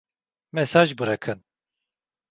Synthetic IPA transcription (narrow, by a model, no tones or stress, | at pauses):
mɛsaːʒbɨɾakʰɯn